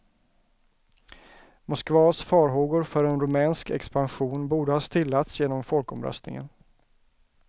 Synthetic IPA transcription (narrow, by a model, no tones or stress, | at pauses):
mʊskvɑːsfɑːɾɦoːɡʊɾfœɾɛnɾɵmɛːnskɛ̰kspanɧuːnbuːɖəhɑːst̪ʰɪlːat̪sjeːnɔmfɔlkɔmɾœ̰st̪nɪ̰ŋə̰n